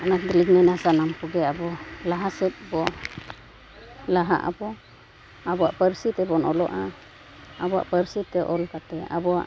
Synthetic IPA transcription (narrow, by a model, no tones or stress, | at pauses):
anak̚d̪likmɛnasanampɔɡɛabɔlaɦasɛt̪̚bɔ | laɦa̰ʔa̰bɔ | abɔa̰ʔpəɾsit̪ɛbɔnɔ̰lɔ̰ʔa | abɔa̰ʔpəɾsit̪ɛʔɔlkat̪ɛa̰bɔaʔ